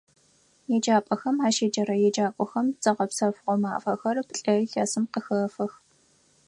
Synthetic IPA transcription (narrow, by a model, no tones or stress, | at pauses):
jɛd͡ʒaːpʼɐxɐmaːʃeːd͡ʒɐɾɐjɛd͡ʒaːkʷʼɔxɐmt͡sʼɐʁɐpsɐfʁʷɔma̰ːfɐxɐrpɬʼɐɬɐsɨmqəxɐːfɐx